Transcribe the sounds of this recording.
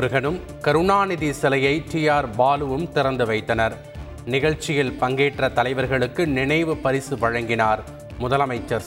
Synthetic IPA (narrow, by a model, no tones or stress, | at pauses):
ɾɯɣɐnɯm | kɐɾɯɳaːnɪðisɛlɐjɐɪʈɪjaːɾbaːlɯʋɯmt̪ɪɾɐnd̪ɯʋɐɪt̪ːɐnɐɾ | nɪɣɐɻt͡ʃːɪjɪlpɐŋɡeːʈrɐt̪ɐlɐɪʋɐɾɣɐɭɯkːɯnɪnɐɪʋɯpɐɾɪsɯʋɐɻɐŋɡɪnaːɾ | mʊðɐlɐmɐɪt͡ʃːɐɾ